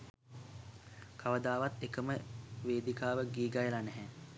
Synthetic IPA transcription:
kʰaʋəd̪aːʋat̪ekəməʋeːd̪ikaːʋəɡiːɡajəlanɛɦɛ

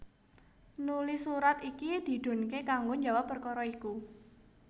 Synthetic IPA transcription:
nulɪsuɾat̪ikid̪̥i̤d̪̥o̤nkekaŋɡoɲd͡ʒa̤wapːərkɔɾɔiku

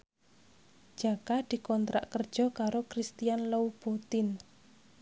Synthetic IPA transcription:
d͡ʒ̥akad̪̥i̤kɔnt̪ɾa̰ʔkərd̥ʒ̥ɔ̤kaɾokɾist̪ijanloub̥ot̪ɪn

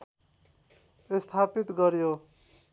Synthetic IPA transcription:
est̪ʰapit̪ɡʌɾjo

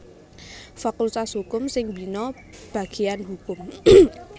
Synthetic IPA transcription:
fakult̪ashukʊmsɪŋbinɔ | b̥a̤ɡ̥i̤anɦukʊm

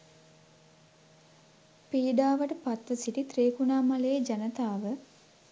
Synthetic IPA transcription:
piːɖaːʋəʈəpat̪ʋəsiʈit̪ɾeːkunaːmaleːd͡ʒɐnət̪aːʋə

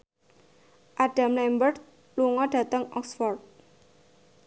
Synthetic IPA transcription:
ʔad̥a̤mlɛmbərt̪̚ | luŋɔɖ̥ä̤t̪əŋɔ̰ksfɔrt̪̚

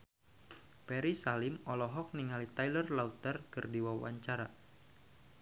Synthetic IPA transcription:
pɛɾisalɪmɔlɔɦɔk̚niŋalit̪ajlərlaut̪ərkɨrdiwawa̰ɲt͡ʃaɾa

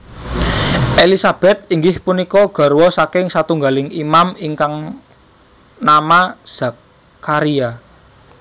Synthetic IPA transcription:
ʔelisab̥ɛ̤t̪̚iŋɡɪhpunikɔɡ̥a̤ɾwɔsakɪŋsat̪uŋɡalɪŋimamiŋkaŋ | namḁz̥a̤kː | aɾia

